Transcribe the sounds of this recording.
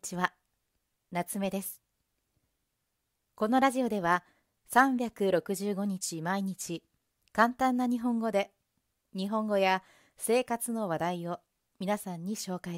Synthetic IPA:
t͡ɕiβa | nat͡sɨme̞d̪e̞sɨ̥ | ko̞no̞ɾaʑio̞d̪e̞β̞a | sãmbʲjakɯ̟ɾo̞kɯ̟ʑɨːɡo̞ɲ̟it͡ɕimaiɲ̟it͡ɕi | kãnt̪ãnːaɲ̟iɦõ̞ŋɡo̞d̪e̞ | ɲ̟iɦõ̞ŋɡo̞ja | se̞ːkat͡sɨno̞β̞ad̪aio̞ | mʲinasãɲ̟ːiɕo̞ːkai

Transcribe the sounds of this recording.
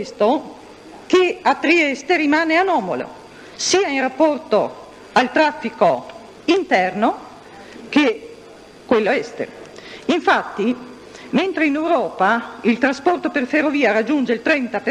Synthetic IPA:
st̪o | keat̪ːɾiɛst̪eɾimaːneanɔːmo̰lo̰ | siːainrapːɔrt̪o | alt̪ɾafːiko | int̪ɛrno | ke | kːwelːoɛst̪ḛiɱfat̪ːi | ment̪ɾeinewɾɔːpailt̪ɾaspɔrt̪operferːoviːaɾad͡ʒːund͡ʒeilt̪ɾɛnt̪ape

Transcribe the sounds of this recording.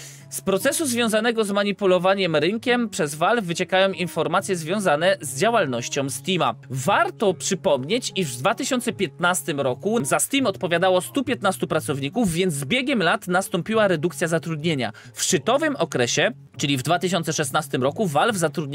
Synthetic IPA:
spɾɔt̪sɛsuzvʲjɔ̃w̃zanɛɡɔzmaɲipulɔvaɲɛmɾɘŋkʲɛmpʂɛzvalvvːɘt͡ɕɛkajɔ̃w̃infɔɾmat̪sʲjɛzvʲjɔ̃w̃zanɛzd͡ʑawalnɔɕt͡ɕɔ̃w̃st̪ʲima̰vaɾt̪ɔpʂɘpɔmɲet͡ɕiʐvd̪vat̪ɘɕɔnt̪sɛpʲjɛt̪̚nast̪ɘmɾɔkuzasʲt̪ʲimɔt̪pɔvʲjad̪awɔst̪upʲjɛt̪nast̪upɾat̪sɔvɲikuvːʲjɛnd̪zbʲjeɡʲɛmlat̪nast̪ɔmpʲiwaɾɛd̪ukt̪sʲjazat̪ɾud̪ɲeɲa̰ | fʂt͡ʂɘt̪ɔvɘmɔkɾɛɕɛ | t͡ʂɘlʲivd̪vat̪ɘɕɔnt̪sɛʂɛsnast̪ɘmɾɔkuvalvzat̪ɾud̪ɲ

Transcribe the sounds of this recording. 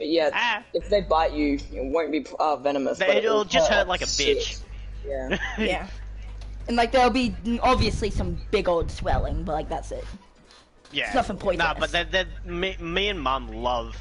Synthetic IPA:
jææɨfðeɪbaɪt͡ʃɨjɨwõʊ̃nb̥iʌvɛnəmə̰sɪɪlˠd͡ʒʌst̚hɜ˞t̚laɪkɨbɪt͡ʃ | jæjæ | ɨ̃nlaɪk̚ðəlˠbiɑbviɨslisʌ̃mb̥ɪɡoʊlˠd̥swɛ̰lˠɪ̰̃ŋbʌt̚laɪk̚ðætsɪt̚ | jæsnʌfɪ̃ŋpʰɔ̃ɪ̃noʊb̥ʌt̚ðɨðɨmimiɨ̃nmʌ̃mlʌv̥

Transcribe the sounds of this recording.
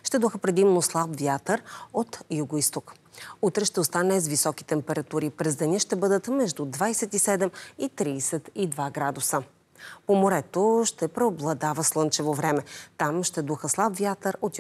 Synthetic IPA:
ʃt̪ɛd̪oxəpɾɛd̪imnoslˠabvjat̪əɾot̪juɡoist̪ok | ut̪ɾɛʃt̪ɛost̪anɛzvisɔki̥t̪ɛmpɛɾɐt̪uɾipɾɛzd̪ɐnʲəʃt̪ɛbɤd̪ət̪mɛʒd̪ud̪vajsɛt̪isɛd̪ɛmit̪ɾiːsɛt̪id̪vaɡɾad̪ʊsə | pomoɾɛt̪oʃt̪ɛpɾɛoblˠɐd̪avəslˠɤnt͡ʃɛvovɾɛmɛt̪amʃt̪ɛd̪oxəslˠabvʲjat̪əɾot̪

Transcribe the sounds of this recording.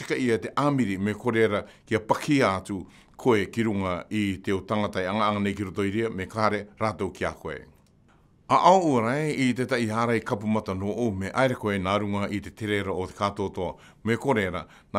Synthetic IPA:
i̥kaʔiate̞ʔamiɾimeko̞ɾeɾakiapakʰiaːtu | kʰoekiɾuŋaitewtaŋataeaŋaʔaŋanejkiɾoto̞jɾiamekaɾeɾatowkiakoḛ | aʔaoʔuaɾajeitetaiaːɾajkapumatano̞ːʔowmeʔaeɾekoenaɾuŋaʔite̞teɾeɾaotekato̞ːtoa | meko̞ɾeɾa | na

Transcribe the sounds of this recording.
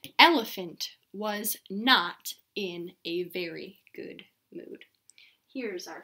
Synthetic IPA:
ɛlˠəfɨ̃nt | wʌznəɾ | ɪ̃nɨvɛɹḭɡ̥ʊ̰d̚ | mʉ̰d̥ | hiɹzə

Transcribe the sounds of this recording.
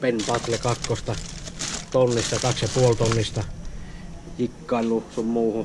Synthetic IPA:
penʲpɑt̪lekɑkːost̪ɑ | t̪onːist̪ɑt̪ɑksjɑpuolt̪onːist̪ɑ | jikːɑˑillusummuːhu

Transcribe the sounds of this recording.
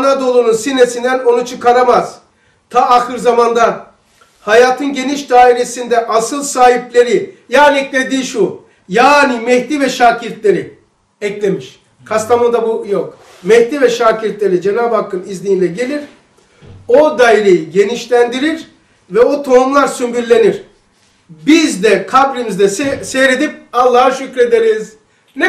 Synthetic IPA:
anad̪olˠununsinesind̪æno̞nut͡ʃʰɯkaɾamaz̥ | t̪ʰaːxɯɾzamand̪a | hajaːt̪ʰɯnɟe̞niʃd̪aːiɾe̞sind̪ɛʔasɯlˠsaːhiplʲe̞ɾijaːniɛcʲlʲe̞d̪iːʃu | jaːnimɛhd̪ivɛʃaːciɾt̪lʲe̞ɾi | ɛclʲe̞miʃ | kʰast̪ʰamɯnd̪abujok | mɛhd̪iːvɛʃaːciɾt̪lʲe̞ɾid͡ʒenaːbhakʰːɯnizlʲejinlʲɛɟe̞lʲiɾ̥ | o̞d̪ajɾejiɟe̞niʃlʲænd̪iɾiɾ | vɛot̪ʰo̞umlˠaɾsymbyɾlʲe̞niɾ̥ | bizd̪ɛkʰablʲimizd̪ɛssejɾe̞d̪ip̚alˠːahaʃycɾe̞d̪eɾiz | nɛ

